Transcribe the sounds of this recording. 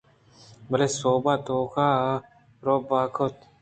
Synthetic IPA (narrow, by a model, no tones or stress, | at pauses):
bɐlesoːbat̪oka | ɾobaːkʰot̪